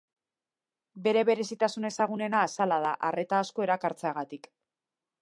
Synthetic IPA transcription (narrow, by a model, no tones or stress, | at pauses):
be̞ɾe̞βe̞ɾe̞sit̪asune̞saɣ̞une̞naːsalað̞aʔare̞t̪aːsko̞e̞ɾakaɾt͡seaɣat̪ik